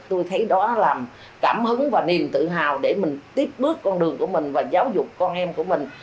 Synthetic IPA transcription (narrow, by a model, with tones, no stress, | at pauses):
t̪o˧jt̪ʰə˨˦jɗɔ˨˦laː˨˩m | kaː˧˩mhɨ˨˦ŋvaː˨˩ni˨˩əmt̪ɨ̰˧˨ɦa̰ː˨˩wɗe˧˩mï˨˩ŋ̟t̪i˦˥əp̚ɓɨ˦˥əkːɔ˧nɗɨ˨˩əŋku˧˩əmï˨˩ŋ̟vaː˨˩zaː˨˦wzʊ˨˩k͡p̚kɔ˧nʔɛ˧mku˧˩əmï˨˩ŋ̟